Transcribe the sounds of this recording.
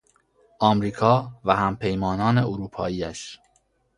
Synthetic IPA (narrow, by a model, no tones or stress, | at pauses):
ʔɒːmɾiːkʰɒːvæhæmpʰe̞jmɒːnɒːne̞oɾuːpʰɒːiːæ̰ʃ